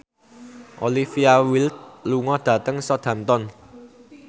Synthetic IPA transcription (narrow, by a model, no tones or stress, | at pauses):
ʔolifiawilt̪̚luŋɔd̪̥ä̤t̪əŋsɔd̪̥ä̤mt̪ɔn